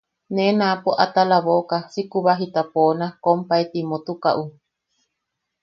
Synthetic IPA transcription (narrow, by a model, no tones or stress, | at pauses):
nenãpoʔat̪alaβokasikuβaɦit̪aponakompaet̪imot̪ukaʔu